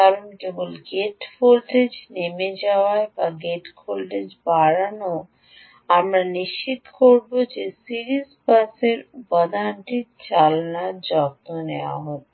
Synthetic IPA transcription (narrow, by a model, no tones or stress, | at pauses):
kaɾonkebolɡeʈfʰolʈed͡ʑnemed͡ʑaoaebaɡeʈfʰolʈed͡ʑbaɾano | amɾaniʃt͡ɕit̪koɾbod͡ʑesiɾizbaseɾbɔd̪anʈit͡ɕalnaɾd͡ʑɔb̚t̪onewa̰ɦɔ